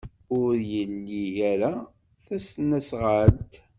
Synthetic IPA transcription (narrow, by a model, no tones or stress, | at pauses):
ʊɾjəlːiʝæɾæ | θæsnæsʁalt̪